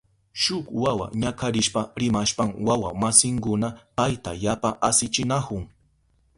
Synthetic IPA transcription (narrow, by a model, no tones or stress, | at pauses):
ʃʊkwawa̰ɲakʰaɾɪʃpaɾɪmaʃpamwawamasɪŋkʊnapajt̪ajapaʔasɪt͡ʃɪnakʊŋ